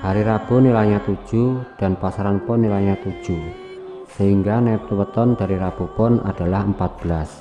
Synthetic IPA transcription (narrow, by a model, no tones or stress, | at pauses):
haɾiɾab̥onilaɲat̪u̥ʒ̥ud̥a̤npasaɾanpʊnːilaɲat̪ud̥ʒ̥u | səhiŋɡanɛp̚t̪uwət̪ɔnd̥a̤ɾiɾab̥opʊna̰d̥a̤lahəmpat̪̚b̥əlas